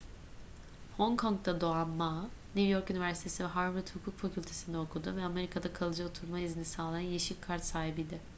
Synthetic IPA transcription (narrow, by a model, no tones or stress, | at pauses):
ho̞ŋkʰo̞ŋk̚t̪ad̪oanmanivjo̞ɾkynivæɾsit̪ʰe̞sivɛɦaɾvɯɾt̪hukʰuːkfacʰylʲt̪ʰe̞sind̪ɛokʰud̪ṵvɛame̞ɾikʰad̪akʰalˠɯd͡ʒaot̪ʰuɾmaizinisaːlˠajanjeʃilʲkʰaɾt̪saːɦibijd̪ɪ